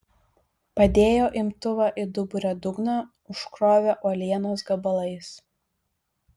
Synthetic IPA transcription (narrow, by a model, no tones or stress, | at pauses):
pɐd̪ʲeːjoːʔɪmt̪ʊʋɑʔɪd̪ʊbʊɾʲod̪ʊɡnɐ | ʊʃkɾoːʋʲɛʔuɔlʲiɛnoːsɡɐbɐlˠɐɪs